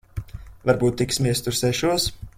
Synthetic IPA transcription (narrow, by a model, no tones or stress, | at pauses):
vaɾbuːt̪ːiksmʲiɛst̪uɾsɛʃuɔs